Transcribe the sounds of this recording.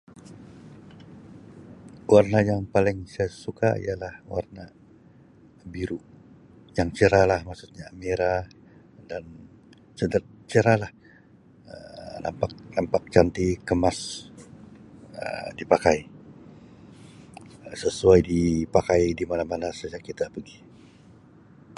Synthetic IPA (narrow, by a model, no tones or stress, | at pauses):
warnajaŋpalɪŋsajasukaḭjalahwarna | biɾu | jaŋt͡ʃəɾalahmaksut̪̚ɲaːmeɾa | dan | t͡ʃədərt͡ʃəɾalah | ə̰na̰mpak̚nampak̚t͡ʃant̪ikəmas | ə̰dipakai | səsuajdipakajdimalamanasad͡ʒakit̪apəɡi